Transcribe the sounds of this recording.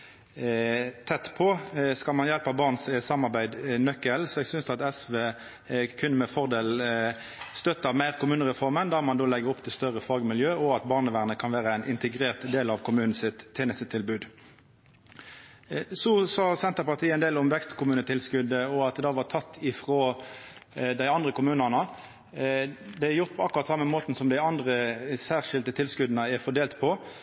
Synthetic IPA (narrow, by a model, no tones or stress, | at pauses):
t̪ʰɛt̪ːpʰɔskɑlmɑnjɛlpɑbɑːʁnssɑmːɑʁbæɪd̪nœkːəlsɔɛːɡsʏnsd̪ɑt̪ɛsʋeː | kʰʉnːəmɛfɔʁd̪eːl | st̪œt̪ːəɑmæɪʁkʊmʉːnəʁɛfɔʁmənd̪ɑːmɑnd̪oːlɛɡəɾʊpːt̪ʰɪlst̪œʁəfɑːɡmɪljøːɔɑt̪bɑːʁnəʋæʁnəkʰɑnʋæːʁəæɪnʔɪnt̪əɡɾeːʁt̪d̪eːlɑʋkʰʊmʉːnn̩sɪt̪ʰːeːnəst̪ət̪ʰːɪlbʉːd̪ | sɔsɑːsɛnt̪əʁpɑʁt̪ʰiːəɛɪnd̪eːlʊmʋɛkst̪kʰʊmʉːnət̪ʰɪlskʉd̪əɔɑt̪̚d̪ɑːʋɑt̪ʰɑt̪ːɪfʁoː | d̪æɪɑnd̪ʁəkʰʊmʉːnənə | d̪ɛæɾjʊʁt̪̚pʰɔɑkːʊɾʁɑt̪sɑmːəmoːt̪n̩sɔmd̪æɪɑnd̪ʁəsæːʁʂɪld̪ət̪ʰɪlskʉd̪nəæɾfɔd̪eːlt̪pʰɔ